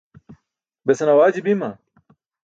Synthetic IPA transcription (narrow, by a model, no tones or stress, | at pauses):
besɐnɐwaːd͡ʑibimɐ